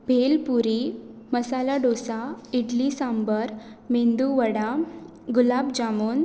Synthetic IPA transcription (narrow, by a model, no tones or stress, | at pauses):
bʱelpuɾiməsalaɖosaiʈlisãmbəɾmind̪uʋəɽa | ɡulabd͡ʑamuːn